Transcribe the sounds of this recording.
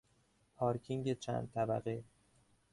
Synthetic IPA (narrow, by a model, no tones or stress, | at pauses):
pʰɒːɾkʰiŋɟet͡ʃʰæ̰nd̪̚t̪ʰæbæ̰ɣe